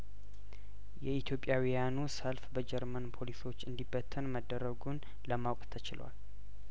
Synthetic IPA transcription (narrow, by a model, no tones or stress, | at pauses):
jɛit̪ʰjo̞pʼjawijanusəlfbəd͡ʒɛɾmənpʰo̞liso̞t͡ʃːɨnd̪ibːət̪ʰːənməd̪ːəɾːəɡun | ləmawkʼt̪ʰət͡ʃɪl̰wa̰l